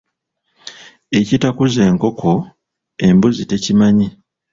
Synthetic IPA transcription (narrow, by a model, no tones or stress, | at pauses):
e̞citakuze̞ːŋko̞kʰo̞ | e̞mbuzite̞cimaɲi